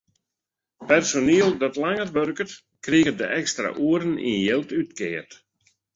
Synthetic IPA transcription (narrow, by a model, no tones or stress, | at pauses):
pɛrsoniəlˠdɔtlaŋərʋørkət | kriɣədəʔɛkstra̰ʔuəɾənḭnjɪlˠtytkɪərt